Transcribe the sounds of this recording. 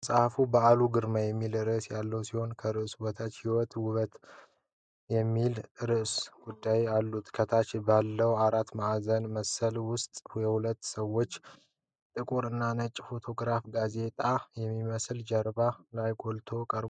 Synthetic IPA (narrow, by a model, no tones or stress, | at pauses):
sʼahfubəaluɡɨɾmajɛmːilɨɾɨʔsjalːəwsiho̞nkʰəɾɨʔsbot̪ʰat͡ʃ̪hiwɔt̪wʊβət̪ | jɛmːilɾɨʔsɡ̥ud̪ːajalːut̪kʰət̪ʰat͡ʃbalːəwaɾat̪maʔazənməsːəlwʊst̪ʼhjɛhulət̪ːsəwːo̞t͡ʃː | t̪ʼɨkʼuɾɨnːanət͡ʃʼːfo̞t̪ʰo̞ɡɾafɡaze̞t̪ʼajɛmːiməsld͡ʒəɾbalajɡʼolt̪ʰo̞kʼəɾ